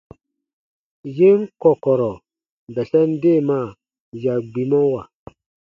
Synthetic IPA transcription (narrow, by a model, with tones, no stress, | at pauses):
je˦ŋ˦kɔ˨kɔ˨ɾɔ˨ | bɛ˨sɛ˦n˦de˦˨ma˦˨ | ja˨ɡ͡bi˨mɔ˦wa˨